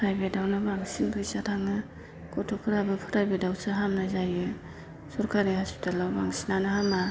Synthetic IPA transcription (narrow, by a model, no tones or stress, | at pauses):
pʰɾajbedawnɯbaŋsinbʰɯjsatʰaŋɯ | kɔtʰɔkʰɯɾabɯpʰɯɾajbedawsɯɦamnazajɯ | sɔɾkʰaɾihaspi̥tʰalawbaŋsinanɯhama